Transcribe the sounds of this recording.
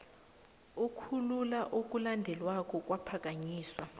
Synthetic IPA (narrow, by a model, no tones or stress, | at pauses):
ukʰululaʔok̬ʼulandʱɛlwak̬ʼɔk̬ʼwapʰak̬ʼaɲiːswa